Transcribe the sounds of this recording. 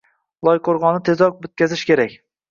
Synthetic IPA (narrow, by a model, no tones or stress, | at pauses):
lˠɒjqʰoɾʁɒnɪt̪ʰe̞zɒk̚bɵt̪̚kʲazɪʃkʲe̞ɾakʲ